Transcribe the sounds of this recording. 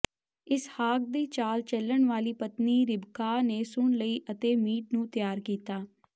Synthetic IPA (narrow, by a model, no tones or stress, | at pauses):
ɪshaːk̚d̪iːt͡ʃaːlt͡ʃəlːəɳʋaːliːpət̪niːɾɪbkaːneːsʊɳləiːʔət̪eːmiːʈnũːt̪ɪjaːɾkiːt̪aː